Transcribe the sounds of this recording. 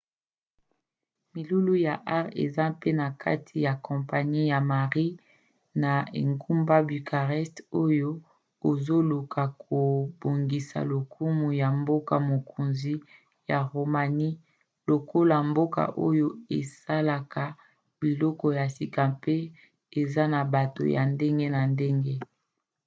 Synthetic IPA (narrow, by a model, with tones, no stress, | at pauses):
mi˨lu˦lu˦ja˨ʔa˦ʁḛ˨za˦pe˦na˨kʰa̰˦tʰi˨ja˨kɔ̃˨mpa˨ɲi˦ja˨ma˨ʁi˦ | na˨ḛ˨ŋɡu˦mba˦bi˨kʰa˨ʁɛ˦sto˦jo˦ | o˨zo˦lu˨kʰa˨kʰo˨bo˨ŋɡi˨sa̰˨lo˨kʰu˦mu˨ja˨mbo˦ka˨mo˨kʰo˨nzi˦ | ja˨ʁo˨ma˨ni˦ | lo˨ko˦la˨mbo˦ka̰˨ʔo˦jo˦e˨sa˦la˨ka˨ | b̥i˨lɔ˦kɔ˨ja˨si˨kã˨pe˦ | e˨za˦na˨ba˨to̰˨ja̰˨nde˦ŋɡe˦na˨nde˦ŋɡe˦